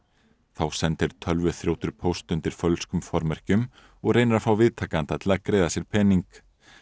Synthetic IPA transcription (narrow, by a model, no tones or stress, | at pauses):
θawsɛnt̪ɪɾ̥t̪ʰœlvʏθɾjowt̪ʏɾ̥pʰowst̪ʏnt̪ɪɾ̥fœlskʏmfɔɾmɛr̥cʏm | ɔɣreːjnɾafawvɪðt̪ʰaːkant̪at̪ʰɪlakɾeːjðasjɛɾ̥pʰɛːniŋk